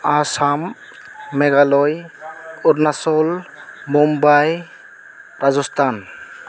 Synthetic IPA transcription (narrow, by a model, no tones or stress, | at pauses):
asamː | ɛɡalɔjuɾnasɔlmumbaj | ɾazɔstʰan